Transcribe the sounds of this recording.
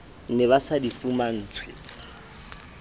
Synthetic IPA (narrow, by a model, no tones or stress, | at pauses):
nɪβasadifuman̩ːt͡sʰwɪ